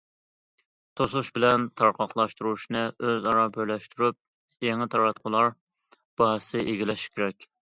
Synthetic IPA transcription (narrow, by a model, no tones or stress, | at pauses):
t̪ʰoslˠuʃbɪlɛnt̪ʰɑɾqʰɑqlˠɑʃt̪uɾuʃnɨʔøzɑɾɑbøjlɛʃt̪ʰyɾyp̚ | jɛŋɨt̪ʰɑɾɑt̪qʰʊlˠɑɾ | b̥ɑɦsɪʔeɡʲilɛʃkʲʰeɾɛkʲ